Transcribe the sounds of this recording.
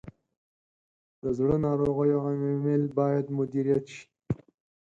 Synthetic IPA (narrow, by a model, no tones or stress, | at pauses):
d̪əzɽənɑɾoɣəjoammɪlbɑjad̪mʊd̪iɾijat̪ʃi̥